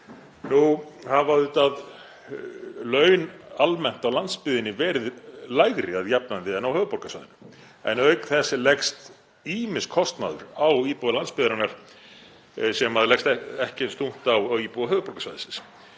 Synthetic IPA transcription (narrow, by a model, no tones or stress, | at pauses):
nuhavaðʏt̪að | lœːɥnalmɛn̥t̪awlant̪spɪðɪnːɪvɛːɾɪðlajɣɾɪaðjapnant̪ɪɛnːawhœːvʏpɔɾkasva̰jðɪnʏ | ɛ̰nœɥkθɛsːɪlɛkst̪ | iːmɪskʰɔst̪na̰ðʏ̰ɾawiːpuðalanspɪðɪɾanaɾ̥ | sɛmaðlɛkst̪ɛhcɪɪnst̪um̥t̪awiːpuɣaɦœːvʏpɔɾkasvajðɪsɪns